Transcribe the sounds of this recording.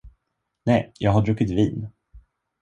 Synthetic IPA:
nɛjjɑːɡɦaɖɾɵkːɪt̪viːn

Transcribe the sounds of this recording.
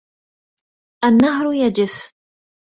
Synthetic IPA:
ʔanːaɦɾʊjad͡ʒɪf

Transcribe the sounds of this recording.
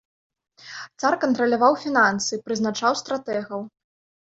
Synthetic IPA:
t̪sarkɐnt̪ɾɐlʲavawfʲinansɨpɾɨznat͡ʂawst̪ɾat̪ɛɣɐw

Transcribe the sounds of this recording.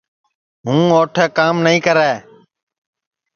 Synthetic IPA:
ɦũːoːʈʰɛːkaːmnəĩːkəɾɛː

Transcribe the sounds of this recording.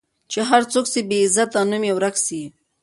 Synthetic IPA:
t͡ʃeɦaɾt͡soksebeːzat̪anumjewɾaksi

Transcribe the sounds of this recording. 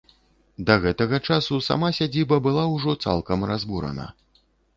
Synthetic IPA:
d̪ɐɣɛt̪ɐɣɐt͡ʂasusa̰masʲad͡zʲibɐbɨlˠawʐɔt̪sa̰lˠkɐmrazbuɾɐ̰nɐ̰

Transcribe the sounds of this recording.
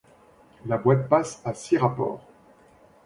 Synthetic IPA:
labwat̪̚pasasiʁapɔ̰ːʁ

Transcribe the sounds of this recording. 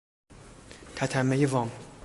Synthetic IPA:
t̪ʰæt̪ʰæmːejevɒːm

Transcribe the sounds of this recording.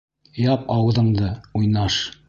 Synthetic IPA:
jɑpɑwɤ̆ðɤ̆ɴd̪ɤujnɑʃ

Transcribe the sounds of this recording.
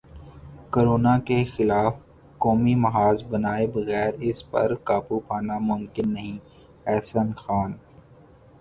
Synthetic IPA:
koːɾoːnakexɪlaːf | koːmimɐɦaːzbɐnaːebɐɣɛːɾɪspɐ̰ɾkaːpupʰaːnamʊmkɪnːɐɦĩ | ɛːsənxaːn

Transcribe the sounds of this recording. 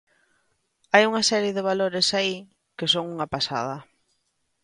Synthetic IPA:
ajuŋasɛɾjeðɪβ̞aloɾɪsai | kɪsoŋuŋapasa̰ð̞ɐ

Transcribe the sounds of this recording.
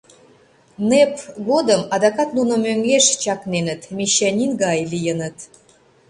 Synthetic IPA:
nepɣod̪əmɑd̪ɑkɑt̪nunŏmøŋɡeʃt͡ɕɑknenə̆t̪mʲiɕænʲinɡɑjlijənət̪

